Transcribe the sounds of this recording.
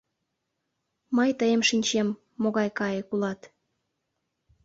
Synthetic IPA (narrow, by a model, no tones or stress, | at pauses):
məjt̪əjemʃinʲt͡ɕemː | oɣɑjkɑjekulɑt̪